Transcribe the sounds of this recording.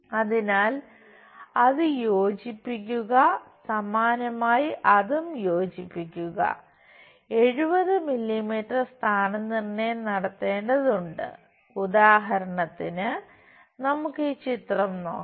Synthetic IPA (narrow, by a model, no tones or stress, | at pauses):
ɐðinaːl | ɐðɨjo̞ːd͡ʑipːikʲːuɣɐsɐmaːnɐmaːjiʔɐðumjo̞ːd͡ʑipːikʲːuɣɐ̰ | e̞ɻubɐðɨmilːimiːʈːɐrst̪ʰaːnɐnirnːenɐɽɐt̪ːe̞ːɳɖɐðuɳɖɨ̰ | udaːɦɐɾɐɳɐt̪ːinɨ | nɐmukːɨt͡ɕit̪rɐmno̰ː